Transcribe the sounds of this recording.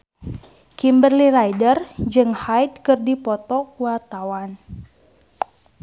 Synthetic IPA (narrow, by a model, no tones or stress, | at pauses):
kimbərlilajdərd͡ʒɨŋhajt̪̚kɨrdipɔt̪ɔkuwart̪awan